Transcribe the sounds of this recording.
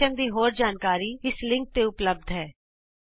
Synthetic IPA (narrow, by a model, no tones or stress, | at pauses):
ənd̪iːɦoːɾd͡ʒaːnkaːɾiɪslɪ̃ŋk̚t̪eʊpləb̚d̪ʱɦɛː